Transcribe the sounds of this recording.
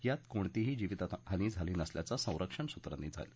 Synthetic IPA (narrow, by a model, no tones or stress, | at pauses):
jat̪koɳt̪iɦiːd͡ʑiʋit̪at̪ɦəniːd͡zʱaliːnəsljat͡sasə̃w̃ɾʔəkʂəɳsut̪ɾa̰nːiːd͡zʱa̰jl